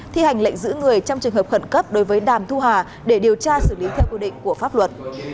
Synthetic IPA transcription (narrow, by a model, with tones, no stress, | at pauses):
t̪ʰi˧ha˨˩jŋ̟lə̰˧˨jŋ̟zɨ̰˧˥ŋɨ˨˩əjt͡ɕɔ˧wŋ͡mt͡ɕɨ˨˩əŋɦə˨˩p̚xə˧˩nkə˦˥p̚ɗo˨˦jvəː˨˦jɗaː˧˩mt̪ʰu˧ɦaː˨˩ | ɗe˧˩ɗi˨˩əwt͡ɕaː˧sɨ˧˩li˨˦t̪ʰɛ˧wkwi˧ɗḭ˧˨ŋ̟ku˧˩əfaː˦˥p̚lwə˨˩t̚